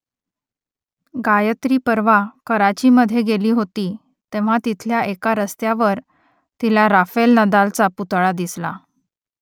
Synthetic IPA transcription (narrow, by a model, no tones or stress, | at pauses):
ɡajət̪ɾiːpəɾʋakəɾat͡ɕiːməd̪ʱːjeɡeliːɦot̪iː | t̪ẽʋ̤at̪it̪ʰljaʔekaɾəst̪jaʋəɾ | t̪ilaɾafelnəd̪alt͡saput̪ɭad̪isla̰